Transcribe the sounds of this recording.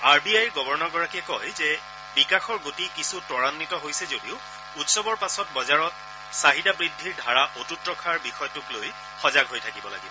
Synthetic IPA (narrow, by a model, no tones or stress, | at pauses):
aɹbiajɹɡɔbɔɹnɔɡɔɹakiɛkɔjzɛ | bikaxɔɹɡotikisutɔɹanːitɔɦojsɛzodiʊ | utsɔbɔɹpasɔtbɔzaɹɔt̚ | saɦitabɹidʱːiɹdʱaɹaʔotutɹɔkʰaɹbixɔjɔtʊkloj | xɔzaɡɦojtʰakibɔla̰ɡibɔ